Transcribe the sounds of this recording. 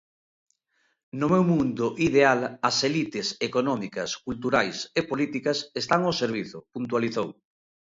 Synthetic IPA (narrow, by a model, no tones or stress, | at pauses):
nʊmewmũnd̪ʊʔiðealɐselit̪ɪsekonɔmikɐskult̪̬uɾajsepolit̪ikɐsest̪aŋoseɾβ̞iθʊpunt̪waliθow